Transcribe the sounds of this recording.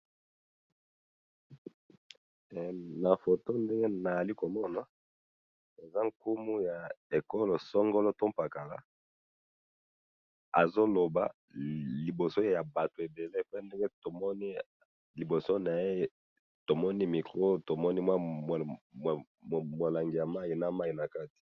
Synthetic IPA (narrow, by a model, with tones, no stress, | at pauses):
na˨fo˨to˦nde˦ŋɡe˦na˨a˨li˦ko˨mɔ˦na˨ | e˨za˦ŋku˦mu˦ja˨e˨ko˦lo˨sɔ˦ŋɡo˦lo˦to˦mpa˨ka˨la̰˦ | a˨zo˦lo˨ba̰˦˨ | li˨bo˨so˦ja˨ba˨to˨e˨be˨le˦˨pnde˦ŋɡe˦to˨mɔ˦ni˦ | li˨bo˨so˦na˨je˦ | to˨mɔ˦ni˦mi˨kʁo˦to˨mɔ˦ni˦mwa˦˨ | mo˨la˨ŋɡi˨ja˨ma˦ji˨na˨ma˦i˨na˨ka˦ti̥˨